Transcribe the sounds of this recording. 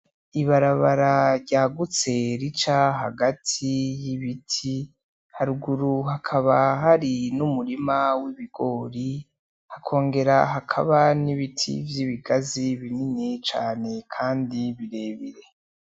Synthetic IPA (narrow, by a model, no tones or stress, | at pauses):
iβaɾaβaɾaɾɟaːɡut͡se̞ɾit͡ʃaɦaɡatʰijiβitʰi | haɾuɡuɾuɦakʰaβaɦaɾinumuɾimawiβiɡ̥o̞ːɾi | hakʰo̞ːŋɡe̞ɾaɦakʰa̰βaniβitʰḭvjiβiɡaziβininit͡ʃa̰ːne̞kʰaːndiβiɾe̞ːβiɾe̞